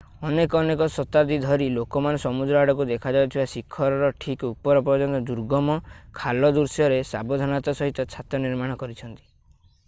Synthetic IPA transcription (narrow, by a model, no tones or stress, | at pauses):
ɔnekɔːnekɔsɔt̪ad̪id̪ʱɔɾilokɔmanesɔmud̪ɾɔaɽɔkud̪ekʰad͡ʒawt̪ʰibasikʰːɔɾɔɾɔʈʰikupɔɾɔpɔɾd͡ʒɔnt̪ɔd̪uɾɡɔmɔkʰalɔd̪uɾsjɔɾesabɔd̪ʱɔnat̪ɔsɔɦit̪ɔt͡ʃʰat̪ɔniɾmaɽ̃ɔkɔɾit͡ʃʰɔnt̪i̥